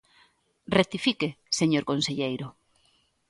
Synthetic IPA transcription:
ret̪ifikeseɲoɾkonseʎejɾʊ

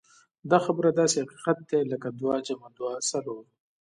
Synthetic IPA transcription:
d̪ɑːxabɾad̪ɑːsehaqi̥qat̪̚d̪elɐkad̪uwɑːd͡ʒamad̪uwɑːsaloːɾ

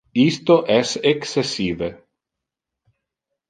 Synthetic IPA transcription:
ist̪oʔɛseksesiːve

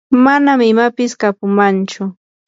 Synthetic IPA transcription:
manamɪmapɪskapʊmant͡ʃʊ

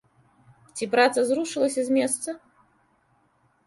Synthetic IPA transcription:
t͡sʲipɾat̪sɐzɾuʂɨlˠɐsʲɐzʲmʲɛst̪sɐ

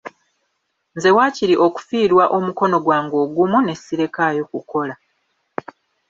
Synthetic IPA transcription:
nze̞waːciɾiʔo̞ku̥fiːɾwaʔo̞muko̞no̞ɡwaːŋɡo̞ːɡumune̞sːiɾe̞kajo̞kuko̞la

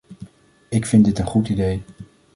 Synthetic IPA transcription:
ɪkfɪndɪtənχutidej

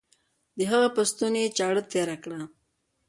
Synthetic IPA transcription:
d̪əɦaɣapast̪unet͡ʃɑɽət̪eɾakɽa

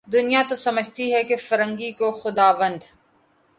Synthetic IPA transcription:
d̪ʊnijat̪osɐməd͡ʒʱt̪iɦɛkefɐɾə̃ŋɡikoxʊd̪aːʋə̃nd̪

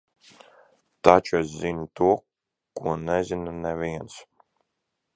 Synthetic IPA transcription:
t̪at͡ʃues̬zinut̪uɔ | kuɔnɛzʲinunɛvʲiɛns

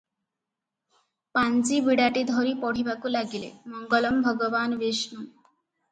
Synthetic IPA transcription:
pant͡siːbiɽaʈid̪ʱɔɾiːpɔɽ̤ibakuːlaɡilḛməŋɡələmbʱəɡəʋanʋesnu

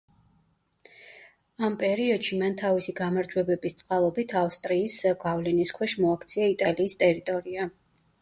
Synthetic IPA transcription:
ampʼɛɾiɔd̪̥ʃimant̪ʰavisiɡamaɾd͡ʒwɛbɛbist̪sʼqʼalˠɔbit̪ʰafst̪ʼɾiːsɡavlɛniskʰwɛʃmɔakʰt̪sʰiait̪ʼaliːst̪ʼɛɾit̪ʼɔɾia

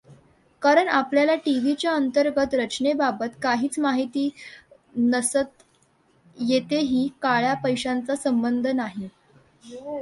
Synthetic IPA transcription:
kaɾəɳapljalaʈiʋit͡ɕjaənt̪əɾɡət̪ɾət͡ɕɳebabət̪kaɦiːt͡smaɦit̪iː | nəsət̪ | jet̪eɦiːkaɭjapəjɕant͡sasəmbənd̪ʱənaɦi

